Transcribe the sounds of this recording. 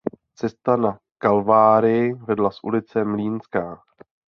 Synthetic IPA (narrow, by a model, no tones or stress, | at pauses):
t͡sɛst̪ana | kalvaːɾɪjɪvɛdlasʔṵlɪt͡sɛmliːnskaː